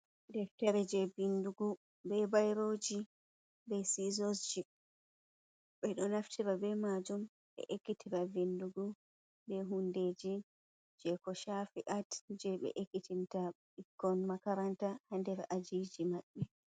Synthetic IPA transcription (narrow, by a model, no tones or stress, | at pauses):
dɛɾtɛɾɛd͡ʒɛvinduɡu | bɛbajɾod͡ʒi | bɛsizɔsd͡ʒi | ɓɛɗɔnaftʰiɾabɛmad͡ʒum | ɓɛ̰ʔekːitʰiɾavinduɡu | bɛɦundeːd͡ʒi | d͡ʒɛkɔʃafiʔatd͡ʒɛɓɛ̰ʔekːitʰinta | ikːɔnmakaɾantahandɛɾad͡ʒid͡ʒimaɓːɛ